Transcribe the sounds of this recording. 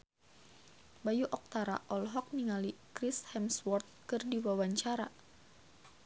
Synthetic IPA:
bajuʔɔk̚t̪aɾa̰ʔɔlɦɔk̚niŋalikɾishɛmswɔrt̪̚kɨrdiwawaɲt͡ʃaɾa

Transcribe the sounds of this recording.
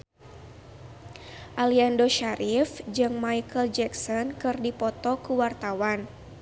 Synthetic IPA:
ʔaliandoʃaɾʔifd͡ʒɨŋmaikəld͡ʒɛksɔnkɨrdipɔt̪ɔkuwart̪awan

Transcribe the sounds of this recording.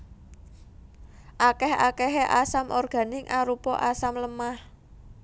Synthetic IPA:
ʔakɛhakɛɦeʔasamʔɔrɡ̥a̤nɪŋʔaɾupɔʔasamləmah

